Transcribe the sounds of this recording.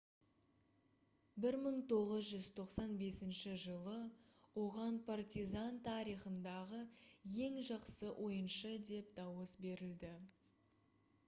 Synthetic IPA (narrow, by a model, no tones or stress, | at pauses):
bɪɾməɴt̪ʰo̞ʁəzʒʏz̥t̪ʰo̞qsɑnbe̞sɪnʃɪʒəlˠəwo̞ʁɑnpʰart̪ʲizant̪ʰɑɾijχənd̪ɑʁəje̞ŋʒɑqsəʔo̞jənʃəd̪e̞p̚d̪ɑwəsbe̞ɾɪld̪ɪ